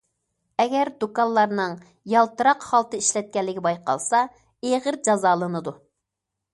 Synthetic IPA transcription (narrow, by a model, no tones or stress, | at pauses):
ɛɡʲɛɾd̪ukɑnlˠɑɾnɨŋ | jɑlˠt̪ɨɾɑqχɑlˠt̪ɨiʃlɛt̪̚kʲɛlːɪɡʲɛbɑjqɑ̰lˠsɑ | eʁəɾd͡ʒɑzɑːlˠɨnɨd̪u